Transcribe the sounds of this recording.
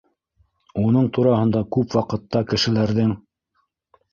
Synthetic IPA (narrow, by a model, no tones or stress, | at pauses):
unɤɴt̪uɾɑɦɤ̆nd̪ɑkʉpwɑqɤ̆t̪ːɑkɘ̆ʃɘ̆læɾðɘŋ